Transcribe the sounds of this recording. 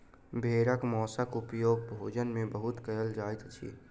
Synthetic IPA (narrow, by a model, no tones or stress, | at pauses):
bʱeːɾəkmɔːsəkupjoːɡbʱoːd͡ʒənmẽbəɦʊt̪kəjəld͡ʒaːjt̪t͡ʃʰḭ